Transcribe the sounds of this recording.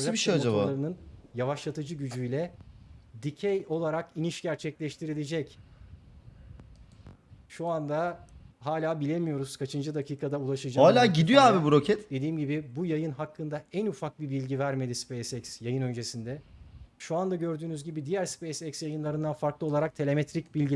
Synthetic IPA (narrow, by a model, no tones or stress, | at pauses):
biʃejad͡ʒabaaɾɯnɯnjavaʃlˠat̪ʰɯd͡ʒɯɟyd͡ʒyjlʲɛ | d̪icʰɛjo̞lˠaɾakiniʃɟæɾt͡ʃʰɛclʲɛʃt̪ʰiɾilʲed͡ʒɛc | ʃuand̪aɦaːlʲaːbilʲe̞mijo̞ɾuz̥kʰat͡ʃʰɯnd͡ʒɯd̪akiːkʰad̪aulˠaʃɯd͡ʒaaːlʲaːɟid̪ijoaːbibuɾo̞cʰɛt̪d̪e̞d̪iːmɟibibujajɯnɦakːɯnd̪aænufak̚bibilʲɟivæɾme̞d̪ispejsɛcsjajɯnø̞nd͡ʒe̞sind̪ɛʃuand̪aɟø̞ɾd̪yːnyzɟibid̪ijæɾspejsɛcsjajɯnlˠaɾɯnd̪anfaɾklˠɯo̞lˠaɾak̚t̪ʰe̞lʲe̞met̪ɾicbilʲɟi